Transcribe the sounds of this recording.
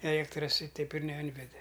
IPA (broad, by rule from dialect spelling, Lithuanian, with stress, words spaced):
ɛˈlʲiɛktrɐs ɪ ˈtʲɛɪp ɪr nʲɛˈɪnʲʋʲɛdʲɛ